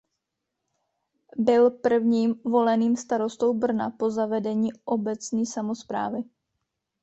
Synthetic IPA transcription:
bɪlpr̩vɲiːmvo̞lɛniːmst̪aɾo̞st̪o̞wbr̩na̰po̞zavɛdɛɲiːʔo̞bɛt͡sɲiːsamo̞spɾa̰ːvɪ

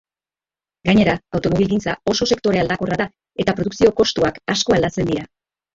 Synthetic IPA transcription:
ɡaɲe̞ɾaawt̪o̞mo̞βilɡint͡sa̰o̞so̞se̞kt̪o̞ɾe̞ald̪ako̞raða | e̞t̪apɾo̞ðuksio̞ko̞st̪uakasko̞ald̪at͡se̞nd̪iɾa

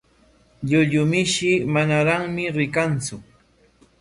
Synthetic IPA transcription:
ʎʊʎʊmɪʃɪmanaɾaŋmɪɾɪkant͡sʊ

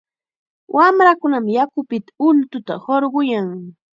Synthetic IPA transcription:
wʔamɾakʊnamjakʊpɪt̪ḁʊlt̪ʊt̪a̰hoɾɢʊjaŋ

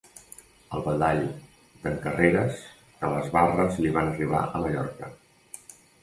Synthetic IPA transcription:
əlˠβəðaʎ | d̪əŋkəreɾəs | kələzβarəzliβ̞anəriβ̞a̰ʔəməʎɔɾkə

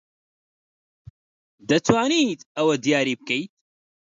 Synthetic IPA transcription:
d̪ɐt̪ʰwaːniːt̪ɐwɐd̪ijaːɾiːb̚kejt̪̚

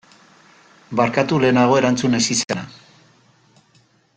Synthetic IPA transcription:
baɾkat̪ule̞ːnaɣ̞o̞e̞ɾant͡sune̞sisena

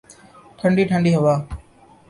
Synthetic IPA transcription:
ʈʰəɳɖiːʈʰəɳɖiːɦəʋaː

